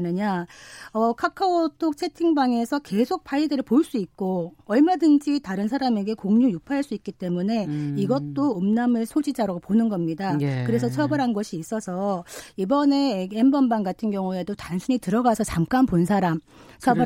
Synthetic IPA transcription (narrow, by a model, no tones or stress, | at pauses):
nɯɲaʌkʰakʰaotʰok̚t͡ɕʰe̞tʰiŋbaŋe̞sʰʌke̞sʰok̚pʰaidɯɾɯɭpoɭs͈uik̚k͈oʌɭmadɯnd͡ʑitaɾɯns̬ʰaɾame̞ɡe̞koŋɲujupʰaɦaɭs͈uik͈̚it͈e̞mune̞iɡʌt̚t͈oɯmnamɯɭsʰod͡ʑid͡ʑaɾaɡoponɯnɡʌmɲidakɯɾe̞sʰʌt͡ɕʰʌbɯɾɦanɡʌɕʰiːs͈ʌsʰʌibʌne̞embʌnbaŋɡatʰɯnɡjʌŋue̞dotaŋsʰuɲitɯɾʌɡasʰʌt͡ɕamk͈anponsʰaɾam | t͡ɕʰʌbɯ